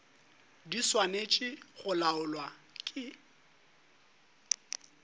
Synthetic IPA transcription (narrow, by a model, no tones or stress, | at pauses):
diswanet͡ʃʼɪɣʊlaʊlwa | kʼɪ